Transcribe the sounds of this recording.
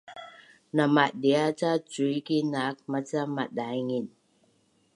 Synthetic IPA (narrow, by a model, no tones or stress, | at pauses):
namat̚ɗiat͡sat͡sujkinak̚mat͡samat̚ɗajŋin